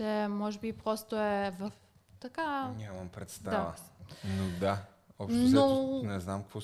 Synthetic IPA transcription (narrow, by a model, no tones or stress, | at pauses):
ɛmɔʒɛbipɾɔst̪oɛvɐf | t̪ɐkaɲʲaməmpɾɛt̪st̪daavə̰nod̪a | ɔp̪nonɛznamkvɔ